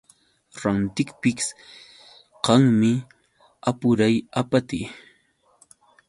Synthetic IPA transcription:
ɾant̪ɪkpɪks | qɑŋmɪ | apʊɾajapat̪ɪ

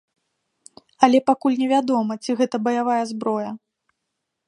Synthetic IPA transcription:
ɐlʲɛpakulʲnʲɛvʲad̪ɔmɐt͡sʲiɣɛt̪ɐbɐjavajɐzbɾɔjɐ

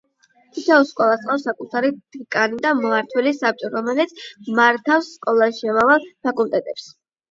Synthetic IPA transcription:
t̪ʰit̪ʰɛɔskʼɔlˠast̪qʼafsakʼut̪ʰaɾid̪ikʼanid̪amaɾt̪ʰwɛlisap̚t͡ʃʼɔɾɔmɛlɛt̪sʰmaɾt̪ʰafsːkʼɔlˠasʃamavalˠpʰakʼulˠt̪ʼɛt̪ʼɛps

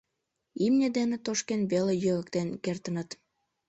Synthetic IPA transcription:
imnʲed̪enet̪oʃkenβelejøɣə̆kt̪enkert̪ə̆nət̪

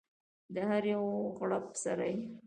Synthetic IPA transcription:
d̪əhaɾjawɣɽapsaɾaj

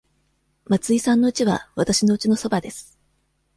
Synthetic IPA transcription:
mat͡sɨisãnːo̞ɯ̟t͡ɕiβa̰βat̪aɕino̞ɯ̟t͡ɕino̞so̞bad̪e̞sɨ̥

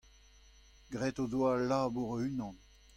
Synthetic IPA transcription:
ɡʁɛt̪odwalːaːbuʁoynɑ̃n

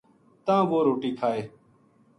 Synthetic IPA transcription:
t̪ãːʋoːɾoːʈiːkʰaːeː

